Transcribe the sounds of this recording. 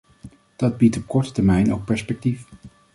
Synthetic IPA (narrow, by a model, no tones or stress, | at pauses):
d̥ɑd̚bitɔp̚kɔɹtə̥tɛɹmɛjnʔo̰wk̚pɛɹspɛk̚tif